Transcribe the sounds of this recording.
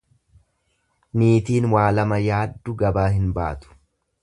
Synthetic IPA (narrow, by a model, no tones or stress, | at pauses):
niːt̪iːnwaːlɐmɐjaːd̪ːʊɡɐbaːɦɪnba̰ːt̪ʊ̥